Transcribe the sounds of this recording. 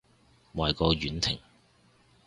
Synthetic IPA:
maː˨jkɔː˧ɥyː˨˥nt̪ʰɪ˨˩ŋ

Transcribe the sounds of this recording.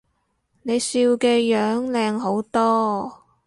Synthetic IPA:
ne˨˧jsiː˧wkɛː˧jœː˨˥ŋlɛː˧ŋɦo˨˥wt̪ɔː˥

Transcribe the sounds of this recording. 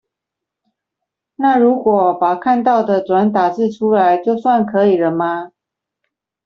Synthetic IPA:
na˥˩ɻu˨˥kwɔ˨˩˦pa˨˩kʰa˥˧nt̪ɑ˥˩ʊd̪ə˩ʈ͡ʂwa˧˦˥nt̪a˨˩t͡sɻ̩˥˩ʈ͡ʂʰu˥la˧˦˥ɪt͡ɕjo˥˧ʊswa˥˩nkʰɤ˧˥i˨˩ɻə˧˦nma˧

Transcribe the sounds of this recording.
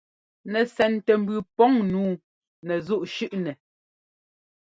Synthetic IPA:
nɛ˨sɛ˨ntɛ˨m˦bʉ˨pɔ˦ŋnuː˨˦ | nɛ˨zu˦˨ʔʃʉ˦ʔnɛ˨

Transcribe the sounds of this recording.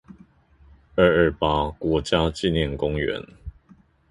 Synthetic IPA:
ə˥˧ə˥˩pa˦kwɔ˨˥t͡ɕja˦t͡ɕi˥˨njɛ˥˨nkʊ˦ŋɥɛ̰˨˧˦n

